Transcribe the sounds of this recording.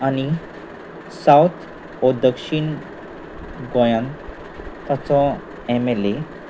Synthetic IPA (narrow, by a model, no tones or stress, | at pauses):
ani | sawt̪ʰ | ɔd̪əkʂiɳ | ɡɔjãn | t̪at͡sɔ | ɛmele